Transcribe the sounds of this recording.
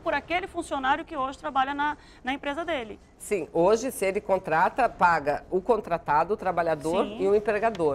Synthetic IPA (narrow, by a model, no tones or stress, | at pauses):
pʊɾakelɪfũsionaɾjʊkɪoʒɪt̪ɾabaʎɐnɐ | nɐẽmpɾezɐd̪elɪ | sĩoʒɪsɪelɪkõnt̪ɾat̪ɐpaɡɐʊkõnt̪ɾat̪ad̪ʊːt̪ɾabaʎad̪oɾɪʊẽpɾeɡad̪oɾ